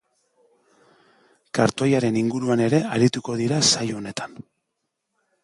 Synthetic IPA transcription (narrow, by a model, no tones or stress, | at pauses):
kaɾt̪o̞jaɾe̞niŋɡuɾuane̞ɾe̞aɾit̪uko̞ðiɾasajone̞t̪ḁn